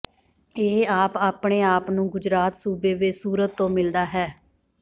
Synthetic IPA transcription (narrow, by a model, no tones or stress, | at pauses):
eːaːpaːpɳeːaːpnũːɡʊd͡ʒɾaːt̪suːbeːʋesuːɾət̪ːõːmɪld̪aːɦɛː